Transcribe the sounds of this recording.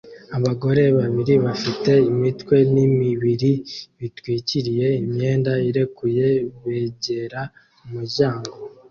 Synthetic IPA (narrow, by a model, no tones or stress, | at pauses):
aβaɡo̞ɾe̞βaβiɾiβafite̞imitkwe̞nimiβiɾiβitwiːciɾije̞imɲe̞ːndaiɾe̞kuje̞βe̞ːɟe̞ɾa | muɟaːŋɡo